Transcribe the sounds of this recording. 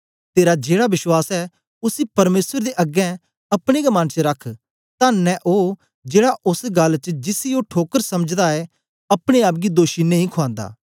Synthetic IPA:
t̪eːɾad͡ʒeːɽabɪʃwaːsɛ | ʊsipɐɾmeːsəɾd̪eʔɐɡɛ̃ | ɐpɽ̃eɡɐmant͡ʃəɾɐkʰ | t̪anɛ̃ʔoː | d͡ʒeːɽaʔʊsɡɐlt͡ʃd͡ʒɪsioʈʰoːkəɾsɐməd͡ʒd̪aɛ | ɐpɽ̃eaːp̬̚ɡid̪oːʃinɐ̃ɦĩkʰʊãːnd̪a̰ː

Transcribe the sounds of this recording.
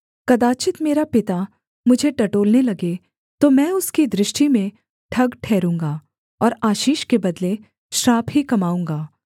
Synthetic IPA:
kɐd̪aːt͡ʃɪt̪meːɾapɪt̪a | mʊd͡ʒʱeʈɐʈoːlnelɐɡe | t̪omɛ̃ːʊskid̪ɾɪʃʈimẽ | ʈʰɐɡʈʰɛːɾũːŋɡaː | ɔːɾaːʃiːʃkebɐd̪le | ʃɾaːpɦikɐmaːũːŋɡaː

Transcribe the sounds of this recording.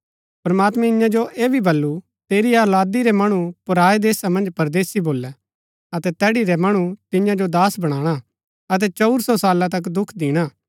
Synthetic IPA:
pɾɐmaːt̪mɛ̃ɪjãd͡ʒoʔeːbʱibɐlːu | t̪eːɾiaːlaːd̪iɾɛmɐɽ̃upʊɾaːed̪eːsamɐ̃nd͡ʒpɐɾd̪eːsiboːlːɛ | ɐt̪ɛt̪ɛːɽiɾɛmɐɽ̃ut̪ɪ̃jãd͡ʒod̪aːsbɐɽ̃aːɽ̃a | ɐt̪̬ɛt͡ʃɐʊɾsɔsaːlat̪̬ɐk̬d̪ʊkʰd̪ɪːɽ̃aː

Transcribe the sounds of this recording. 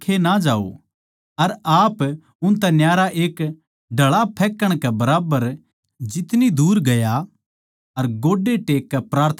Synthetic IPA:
kʰenad͡ʒaːo̰ | ɐɾaːp | ʊ̃nt̪ɛnjaːɾaʔeːk | ɖʱɐɭapʰɛːkːəɽ̃kɛbɐɾaːbəɾ | d͡ʒɪt̪nid̪uːɾɡɐja | ɐɾɡoːɖːeʈeːkːɛpɾaːɾt̪ʰ

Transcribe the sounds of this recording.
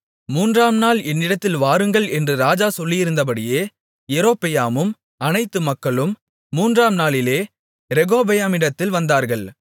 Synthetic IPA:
muːndraːmnaːlɛnːɪɽɐt̪ːɪlʋaːɾɯŋɡɐɭɛndrɯɾaːd͡ʒaːsɔlːɪjɪɾɯnd̪ɐp̬ɐɽɪjeː | jɛɾoːpːɪjaːmɯm | ɐnɐɪt̪ːɯmɐkːɐɭɯmː | uːndraːmnaːlɪleː | ɾɛɣoːbɛjaːmɪɽɐt̪ːɪlʋɐnd̪aːɾɣɐɭ

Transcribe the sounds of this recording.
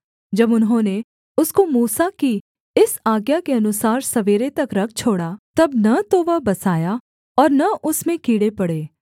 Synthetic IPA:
d͡ʒɐbʊnɦõːne | ʊskomuːsaki | ɪsaːɡjakeɐnʊsaːɾsɐʋeːɾet̪ɐkɾɐk̚ʰt͡ʃʰoːɽat̪ɐbnɐt̪oʋɐɦbɐsaːja | ɔːɾnɐʔʊsmẽkiːɽepɐɽeː

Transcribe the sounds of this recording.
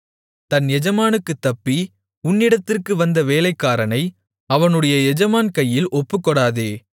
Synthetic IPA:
t̪ɐnɛd͡ʒɐmaːnɯkːɯt̪ːɐpːi | ʊnːɪɽɐt̪ːɪrkɯʋɐnd̪ɐʋeːlɐɪkːaːɾɐnɐɪ | ɐʋɐnɯɽɐjɐɛd͡ʒɐmaːnkɐjːɪlʔɔpːɯkːɔɽaːðeː

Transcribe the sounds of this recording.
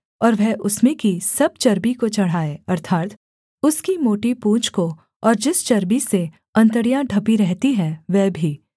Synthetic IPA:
ɔːɾʋɛɦʔʊsmẽkisɐb̚t͡ʃɐɾbikot͡ʃɐɽ̤aːeɐɾt̪ʰaːt̪ | ʊskimoːʈipũːt͡ʃko | ɔːɾd͡ʒɪst͡ʃɐɾbise | ɐ̃nt̪əɽijãɖʱɐpiɾɛɦt̪iɦɛ̃ʋɛːbʱiː

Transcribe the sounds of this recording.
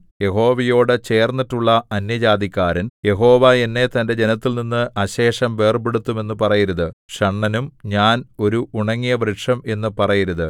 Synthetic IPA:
je̞ɦo̞ːʋɐjo̞ːɽɨt͡ɕe̞ːrnːiʈːuɭːɐɐnjɐd͡ʑaːd̪ikʲːaːɾɐnje̞ɦo̞ːʋae̞nːe̞t̪ɐnde̞d͡ʑe̞nɐt̪ːilninːɨʔɐɕe̞ːʂɐmʋe̞ːrbeɽut̪ːume̞nːɨpɐrɐjiɾuðɨʂɐɳːɐnumɲaːno̞ɾuʔuɳɐŋːijɐʋrɨʈʂɐme̞nːɨpɐrɐjiɾuðɨ

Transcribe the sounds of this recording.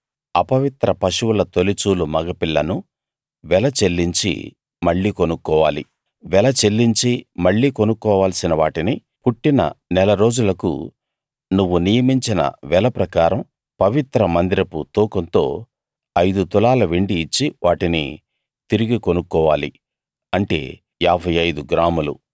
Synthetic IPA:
ɐpɐʋit̪ɾɐpɐʃuʋulɐt̪o̞lit͡ʃuːlumɐɡɐpiɭːɐnu | ʋɛlɐt͡ʃe̞lːiɲt͡ʃḭ | mɐɭːiːkonukːɔːʋaːlḭ | ʋɛlɐt͡ʃe̞lːiɲt͡ʃimɐɭːiːko̞nukːɔːʋaːlsinɐʋaːʈini | puʈːinɐ̰nɛlɐɾo̞ːd͡ʒulɐkṵ | nuʋːunijɐmiɲt͡ʃinɐ̰ʋɛlɐpɾɐkaːɾɐm | pɐʋit̪ɾɐmɐnd̪iɾɐput̪uːkɐnt̪o̞ː | ɐjd̪ut̪ulaːlɐʋeɳɖiːt͡ʃːiʋʔaːʈinḭ | t̪iɾiɡiko̞nukːɔːʋaːli | ɐɳʈe̞̰ː | aːbʱɐjɐjd̪uɡɾaːmulṵ

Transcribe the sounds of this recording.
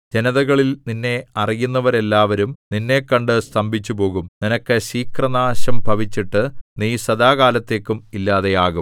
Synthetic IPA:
d͡ʑe̞nɐðɐɣɐɭilninːe̞ɐrijunːɐʋɐɾe̞lːaːʋɐɾumninːe̞kːɐɳɖɨst̪ɐmbʱit͡ɕːupo̞ːɣumninɐkːɨɕiːkrɐnaːɕɐmbʱɐʋit͡ɕːiʈːɨniːsɐd̪aːɣaːlɐt̪ːe̞ːkːumilːaːðe̞jaːɣum

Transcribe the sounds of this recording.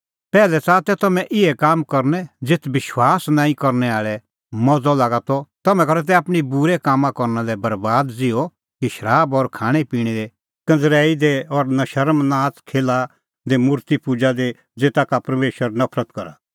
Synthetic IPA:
pɛːlɛt͡sat̪ɛt̪ɐmɛ̃ʔɪɛkaːmkɔɾnɛd͡zɪt̪ʰbɪʃwaːsnãːĩkɔɾnɛaːɭɛ | mɔd͡zɔlaːɡat̪ɔt̪ɐmɛ̃kɐɾɛt̪̬ɛaːpɽ̃ibuɾɛkaːmãkɔɾnalɛbɐɾbaːd̪d͡zɪɔ | kiʃɐɾaːbɔɾkʰaːɽ̃epiːɽ̃id̪e | kɐ̃nd͡zɾɛːid̪eɔɾnɐʃɐɾmnaːt̪kʰeːla | d̪emʊɾt̪ipud͡ʒad̪e | d͡zeːt̪akapɐɾmeːʃwəɾnɐpʰɾət̪kɐɾa

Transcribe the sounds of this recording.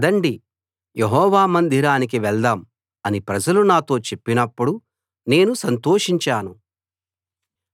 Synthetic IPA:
d̪ɐɳɖi | jeɦɔːʋaːmɐnd̪ʱiɾaːnik̬iʋɛɭd̪aːm | ɐnipɾɐd͡ʒɐlunaːt̪o̞ːt͡ʃe̞pːinɐpːuɽu | ne̞ːnusɐnt̪o̞ːʂiɲt͡ʃaːnu

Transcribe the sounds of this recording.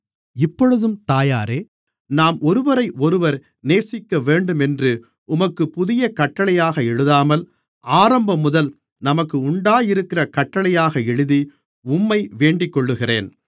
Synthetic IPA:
ɪpːɔɻɯðɯmt̪aːjaːɾeː | naːmʔɔɾɯʋɐɾɐɪʔɔɾɯʋɐɾ | neːsɪkːɐʋeːɳɖɯmɛndrɯ | ʊmɐkːɯpʊðɪjɐkɐʈːɐɭɐjaːɣɐɛɻɯðaːmɐl | aːɾɐmbɐmʊðɐl | nɐmɐkːɯʊɳɖaːjɪɾɯkːɪrɐkɐʈːɐɭɐjaːɣɐɛɻɯði | ʊmːɐɪʋeːɳɖɪkːɔɭːɯɣɪreːn

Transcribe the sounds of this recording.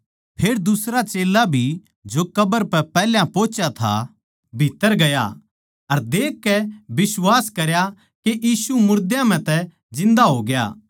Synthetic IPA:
pʰeːɾd̪ʊsɾat͡ʃeːlabʱi | d͡ʒokɐbəɾpɛpɛːljãpoːt͡ʃat̪ʰa̰ | bʱit̪ːəɾɡɐja̰ | ɐɾd̪eːkːɛbɪswaːskɐɾja | keʔjiːsumʊɾd̪jãm̤ɛ̃t̪ɛ | d͡ʒɪ̃nd̪aɦoːɡɐja̰ː

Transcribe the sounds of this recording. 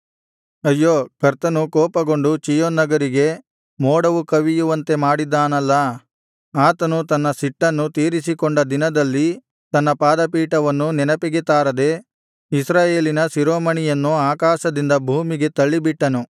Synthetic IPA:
ɐjːoːkɐɾt̪ɐnukɔːpɐɡo̞ɳɖut͡ʃijonːɐɡɐɾiɡe̞ | moːɽɐʋukɐʋijuʋɐnt̪e̞maːɽid̪ːaːnɐlːɐ | aːt̪ɐnut̪ɐnːɐsiʈːɐnːut̪iːɾisikoɳɖɐd̪inɐd̪ɐlːi | t̪ɐnːɐpaːd̪ɐpiːʈɐʋɐnːunɛnɐpiɡit̪aːɾɐd̪e̞ | isɾaːje̞ːlinɐsiɾoːmɐɳijɐnːuaːkaːʃɐd̪ind̪ɐbʱuːmiɡe̞t̪ɐɭːibiʈːɐnu

